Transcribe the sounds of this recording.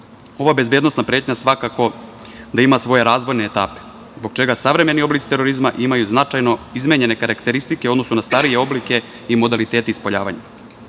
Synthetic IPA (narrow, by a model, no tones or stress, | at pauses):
o̞ʋabe̞zbe̞ːd̪no̞snapɾe̞ːt̪ɲasʋakako̞ | d̪aimasʋo̞je̞ɾaːzʋo̞jne̞ːt̪a̰ːpe̥ | zboɡ̚t͡ʃe̞ɡasaʋɾe̞me̞nio̞blit̪si̥t̪eɾo̞ɾizmaʔimajuznat͡ʃajno̞izmeɲe̞ne̞kaɾakt̪e̞ɾist̪ikeod̪no̞sunast̪aɾijeo̞blike̞ | imo̞d̪alit̪e̞ːt̪eispoʎaːʋaɲa